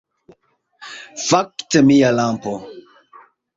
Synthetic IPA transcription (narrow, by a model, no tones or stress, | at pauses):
faktəmialampo